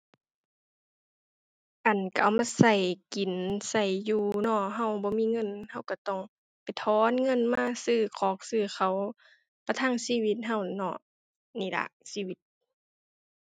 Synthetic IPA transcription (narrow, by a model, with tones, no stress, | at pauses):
ʔa˨˩nka˧˩ʔa˨˩wmaː˧˥˨sa˧˩jki˨˩nsa˧˩jːuː˧˩nɔ˧˩ɦa˧˩˨wbɔː˧˦miː˧˥˨ŋɤ˧˥˨nha˧˩˨wka˧˩t̪ɔ˧˩˨ŋ | pa˨jt̪ʰɔː˧˦nŋɤ˧˥˨nmaː˧˥˨sɯː˧˩kʰɔː˧˦k̚sɯː˧˩xʰa˧˩w | pa˧t̪ʰaː˧˥˨ŋsiː˧˨wi˧˦t̪̚ɦa˧˩˨wnɔ̰˧˩˨ | niː˧˨la̰˧˩ʔsiː˧˨wi˧˦t̪̚